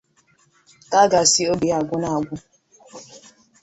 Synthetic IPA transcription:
ka˦ɡa˨si˦o˦bi˨a˨ɡʷʊ˦na˦˨a˨ɡʷʊ˦

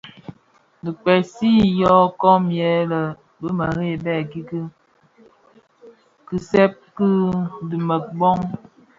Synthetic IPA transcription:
di˨k͡pɛ˨si˦jɔ˦kɔ˦mjɛ˨˦lə˨ | bə˦mə˨ɾe˦˨bɛ˦˨ɡi˦ɡi˦ | kɨ˨sɛ˦p̚kɨ˦di˨mə˨k̚bɔ˦ŋ

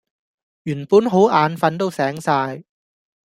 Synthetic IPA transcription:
jyː˨˩npuː˨˥nɦo˨˥wʔaː˨˧nfɐ˧nt̪̬o˥wsɛː˨˥ŋsaː˧j

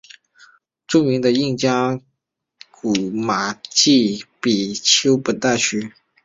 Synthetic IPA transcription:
t͡su˥mi˧˥ŋd̪ə˧i˥˩ŋt͡ɕjɑ˥ŋ | ku˨˩ma˨˩t͡ɕi˥˩pi˨˩t͡ɕʰjo˥ʊpə˨˩nt̪a˥˩t͡ɕʰy˥

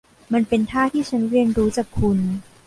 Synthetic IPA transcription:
ma˧npe˧nt̪ʰaː˥˩t̪ʰiː˥˩t͡ɕʰa˦˥nɾi˧ənɾuː˦˥t͡ɕaː˨˩kʰːu˧n

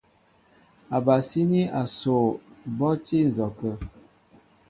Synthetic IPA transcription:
a˨ba˨si˦ni˦a˨so˨bɔ˦ti˦n̩˨zɔ˨kə˦

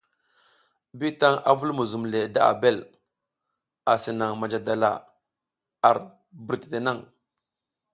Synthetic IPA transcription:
bi˦ta˦ŋa̰˦vu˦lmu˨zu˨mle˨da˦a̰˨be˦˨l | a˨si˨na˨ŋma˨d͡ʒa˨da˨la̰˨ | a˨ɾ | bi˨ɾte̥˨te˨na˦˨ŋ

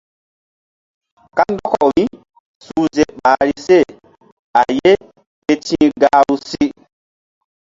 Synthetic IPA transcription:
ka˦ndɔ˦kɔ˨mi˦ | suː˨ze˨ɓaː˨ɾi˨se˦˨ | a˨je˦ | ke˨tĩː˦ɡaː˨˦wu˦si˦

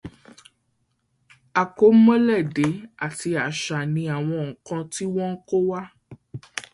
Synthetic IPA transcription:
a˨ko˨˦mɔ̃˦lɛ˦˨de˨˦a˦˨ti˧a˨ʃa˨nĩ˧˦a˨w̃ɔ̃˧ŋ̩˨kã˧ti˦w̃ɔ̃˦ŋ̩˦ko˦wa˦

